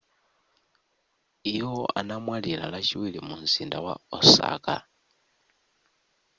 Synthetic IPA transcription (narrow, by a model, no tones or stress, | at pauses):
ijoa̰namwalilalaʃiwilimunzindawa̰osa̰ka